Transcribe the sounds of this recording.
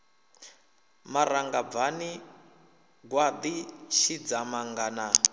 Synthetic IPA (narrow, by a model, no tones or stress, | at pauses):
maɾaŋɡavani | ɡwad̪iʃid͡zamaŋɡana